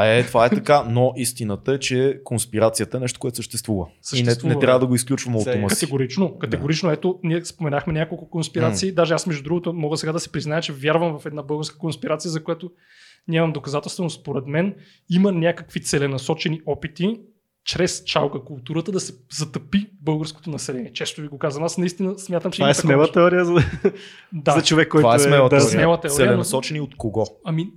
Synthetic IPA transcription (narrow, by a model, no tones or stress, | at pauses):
ɛt̪ovaɛt̪ɐt̪kanoʔist̪inət̪əɛt͡ʃɛkonspiɾat̪sijət̪əɛnɛʃt̪o̥koɛt̪o̥səʃt̪ɛst̪vuvəsəiɛt̪vnuɛtvɾʲavəd̪ɐɡoisklʲut͡ʃvəmɐw̪omɐtkɐɛɡoɾit͡ʃnokɐt̪ɛɡoɾit͡ʃnoɛt̪onʲiɛspomɛnaxmɛnʲakolˠkʊkonspiɾat̪siːd̪aʒɛasmɛʒd̪ud̪ɾuɡʊt̪ʊmɔɡəsɛɡad̪ɐsɛ̥pɾiznajət͡ʃɛvʲjaɾvəmvɐfɛd̪nabɤlˠɡəɾskə̥konspiɾat̪sijəzɐkojat̪o | nʲamɐmd̪okɐzat̪ɛlˠst̪vɛnosspoɾɛd̪mɛn | imənʲakəkvit̪sɛlɛnɐsɔt͡ʃɛniʔɔpit̪i | t͡ʃɾɛst͡ʃalɡəkʊlˠt̪uɾət̪əd̪ɐsɛ̥zɐt̪ɐpibɤlˠɡəɾsko̥t̪onɐsɛlɛnʲiɛt͡ʃɛst̪ʊviɡokazɐnasnɐist̪inəsmʲjat̪əmt͡ʃɛasmɛlˠət̪ɛɔɾiəzɐ | d̪azɐt͡ʃovɛkːɔjammɛaɾsimɛlˠət̪ɛɔɾɛiəɛnoɐsɔt͡ʃɛniot̪koɡɔɐmi